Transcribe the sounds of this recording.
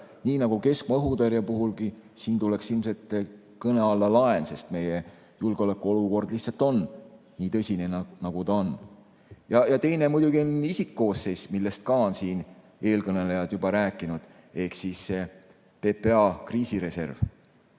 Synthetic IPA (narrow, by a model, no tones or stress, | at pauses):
niːnɑɡ̥uke̞skmɑɤɦud̪eɾjɑpuɦulɡisiːnt̪ule̞ksilmset̪ˑ | kɤne̞ɑlːɑlɑense̞st̪me̞je | julɡ̥eo̞lekːˑuo̞luko̞rd̪̥lih̪sɑlt̪ːˑo̞n | niːt̪ɤsʲinennɑɡ̥ut̪ɑon | jɑjɑt̪e̞jnemujd̪̥uɡ̥io̞nisikːoːsːe̞smilːest̪̚kɑonsiːn | e̞ːlkɤne̞le̞jɑd̪̥jubɑɾæːkːˑinud̪̥ | e̞hksisːe | pe̞peɑkriːsiɾe̞se̞̰rv